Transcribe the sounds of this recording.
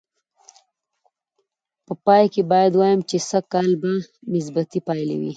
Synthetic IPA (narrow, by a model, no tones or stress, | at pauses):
pəpɑjkebɑjad̪wɑjəmt͡ʃesəkɑlbanɪs̬bat̪ipɑjlḛwḭ